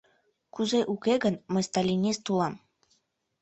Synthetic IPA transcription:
kuzeʔukeɣənmə̆jst̪ɑlʲinʲest̪ulɑm

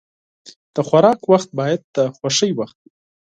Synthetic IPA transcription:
d̪̥əxwaɾɑkwaxt̪̚bɑjad̪̚ːəxwaʃəjwaxt̪̚w

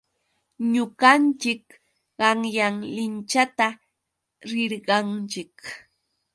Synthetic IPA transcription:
ɲʊɢɑnt͡ʃɪk | ɢɑŋjaŋlɪnt͡ʃat̪a | ɾɪɾɢɑnt͡ʃɪk

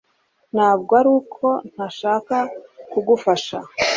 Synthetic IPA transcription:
n̥haːbɡaɾuːkʰo̞n̥haʃaːkakuɡufaʃa

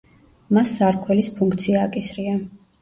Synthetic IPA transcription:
masːaɾkʰwɛlispʰuŋkʰt̪sʰiaːkʼisɾia

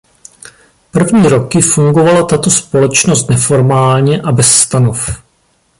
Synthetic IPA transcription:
pr̩vɲiːɾo̞kɪfuŋɡo̞valat̪at̪o̞spo̞lɛt͡ʃnost̪nɛfo̞ɾmaːlɲɛʔabɛsːt̪anof

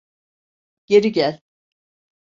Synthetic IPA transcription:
ɟ̥e̞ɾiɟælʲ

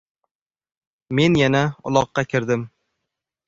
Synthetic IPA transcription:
me̞njanaʊ̰lˠɒqːɑkʲʰɪɾd̪ɪm

